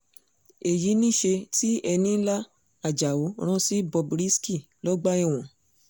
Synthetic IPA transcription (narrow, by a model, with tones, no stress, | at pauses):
e˨ji˨˦nĩ˦˨ʃe˧ti˦ɛ˧nĩ˦la˦ | a˨d͡ʒa˨wo˨˦˧ɾ̃ɔ̃˦si˦bɔ˧bɾi˦ski˦˨ | lɔ˦ɡ͡ba˦i˧˨w̃ɔ̃˨